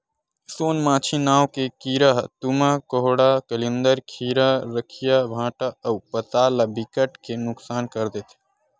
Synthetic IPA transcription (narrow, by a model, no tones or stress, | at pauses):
soːnmãːt͡ʃʰinaːwkekiːɾəɦt̪umakoɦoɽakəlind̪əɾkʰiːɾaɾəkʰijabʱãːʈaəwpət̪aːlabikəʈkenʊksaːnkəɾd̪et̪ʰ